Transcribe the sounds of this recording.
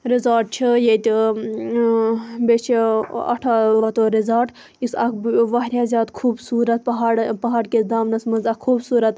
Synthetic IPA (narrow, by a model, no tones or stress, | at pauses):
ɾizaːʈ̚t͡ʃʰijet̪ʲ | bet͡ʃʰiɐ̰ʈʰaɐt̪oɾizaːʈ | isɐkbʋɐɦɾʲjaːzʲaːd̪kʰuːbsuːɾɐt̪̚pɐɦaːɽpɐɦaːɾked̪aːmnɐsmɐnzɐkkʰuːbsuːɾɐt̪